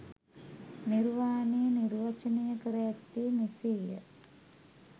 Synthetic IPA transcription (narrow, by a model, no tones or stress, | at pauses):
niɾʋaːnejənirʋat͡ʃənejəkəɾɐjat̪ːiːniseːjə̰